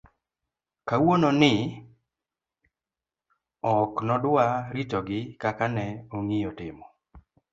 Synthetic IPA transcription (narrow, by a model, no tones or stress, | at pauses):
kawononɪ | ɔknɔdaɾitɔɡɪkakanɛoŋijɔtɪmɔ